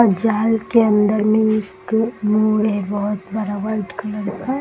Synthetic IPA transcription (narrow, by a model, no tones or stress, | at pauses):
ad͡ʒaːlkeɐ̃nd̪əɾmẽɪkmuːɾɦɛbɐɦʊt̪bɐɾaʋəɾʈkɐləɾka